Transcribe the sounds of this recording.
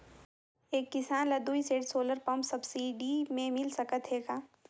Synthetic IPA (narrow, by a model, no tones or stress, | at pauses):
eːkːɪsaːnlɐd̪uːiseːʈsoːləɾpɐmpsɐbsiːɖimẽmɪlsɐkət̪ɦeːɡaː